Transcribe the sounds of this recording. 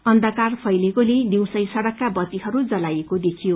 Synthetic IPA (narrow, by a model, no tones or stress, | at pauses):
ʌnd̪ʱʌkarpʰʌjlekoleniw̃sʌjsʌɽʌkːabʌt̪iɦʌɾud͡zʌlajekod̪ekʰijo